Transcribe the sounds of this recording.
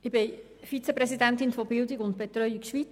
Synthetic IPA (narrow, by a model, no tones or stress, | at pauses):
ɪb̥ɪ | fit͡sepɾɛsidæntɪnfɔbɪldɪkɡʊnt̚b̥et̪ɾœʏikʃʋit͡s